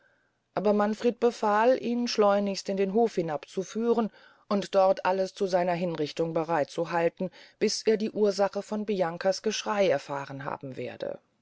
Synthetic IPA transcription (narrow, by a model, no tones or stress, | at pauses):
ʔaːbɐmanfʁ̥eːt̚b̥əfaːlʔiːnʃlɔʏnɪçstɪndeːnɦoːfhɪnapt͡sufyːʁən | ʔʊntd̥ɔʁtʔaləst͡suzaɪnɐɦɪnʁɪçtʊŋbəʁaɪtt͡suɦaltn̩b̥ɪsʔeːɐdiːʔuːɐzaχəfɔnbijaŋkasɡ̥əʃʁ̥aɪɛɐfa̰ːʁənɦa̰ːbm̩vḛːɐdə̰